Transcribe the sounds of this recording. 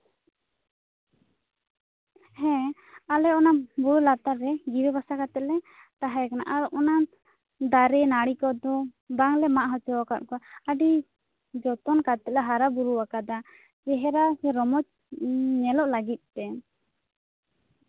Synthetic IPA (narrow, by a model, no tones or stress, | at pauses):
hɛ̃ | alɛɔnabuɾulat̪aɾːɛɡiwɛbasakat̪ɛt̪̚lɛ | t̪aɦajakana̰ʔalɔʔɔna | d̪aɾɛnaɽikɔd̪ɔ | baŋlɛmaʔɦɔt͡ʃɔwakat̪̚kɔaɖi | d͡ʒɔt̪ɔnkat̪ɛt̪̚lɛɦaɾabuɾuwakad̪a | d͡ʒɛɦɛɾasɛɾɔmɔt͡ʃ | ɲɛlɔʔlaɡit̪̚ˀtɛ